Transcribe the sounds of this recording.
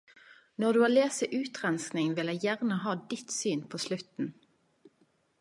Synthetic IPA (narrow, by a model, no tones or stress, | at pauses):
nɔʁd̪ʉːɑːleːsəʔʉːt̪ʁɛnsknɪŋʋɪlæɪjæʁnəɦɑːd̪ɪt̪syːnpʰoːslʉt̪n̩